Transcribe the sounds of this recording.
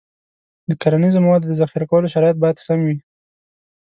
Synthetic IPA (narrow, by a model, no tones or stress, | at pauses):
d̪əkaɾanizomawɑd̪d̪əzaxiɾakawəloʃaɾɑjat̪̚bɑjad̪samwi